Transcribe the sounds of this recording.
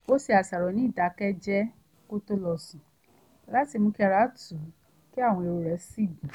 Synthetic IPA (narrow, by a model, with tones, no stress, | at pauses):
o˦si˧a˨sa˨ɾɔ˨nĩ˨˦˨da˨˦kɛ˦d͡ʒɛ˦ | ko˦to˦lɔ˧sũ˨ | la˦ti˧˨mũ˧ki˦a˧ɾa˦tu˨˦ | ki˦a˦˨w̃ɔ̃˧e˧ɾo˧ɾɛ˨˦si˦˨dũ˨